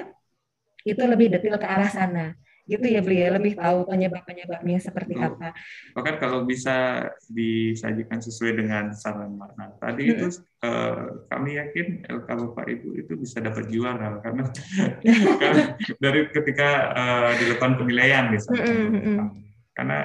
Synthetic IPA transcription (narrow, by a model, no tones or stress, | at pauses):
it̪uləbɪhdət̪ɪlkəaɾahsana | ɡit̪ujabəlialəbɪht̪aupəɲəbap̚pəɲəbap̚ɲasəpərt̪iapapakankalawbisadisa̰d͡ʒakans̬əsuajdəŋansaɾanmanat̪a̰dit̪u | ə̰ka̰mijakɪnɛ̰lkabapa̰ʔḭt̪ṵḭt̪ubisadapat̪̚d͡ʒuaɾakarna | kaladaɾikət̪ikaəːdiləpanpənilajandisamam | ka̰rna̰